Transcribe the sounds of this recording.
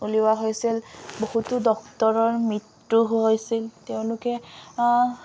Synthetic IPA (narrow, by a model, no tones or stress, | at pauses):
uliwaɦojsilbohutʊdɔktɔɹɔɹmɹit | ɹuɦojsilteʊ̃lʊkɛ